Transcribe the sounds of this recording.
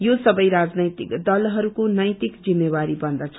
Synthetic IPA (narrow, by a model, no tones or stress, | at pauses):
josʌbʌjɾad͡znʌjt̪ikd̪ʌlɦʌɾukonʌjt̪ikd͡zimːewaɾibʌnd̪ʌt͡sʰʌ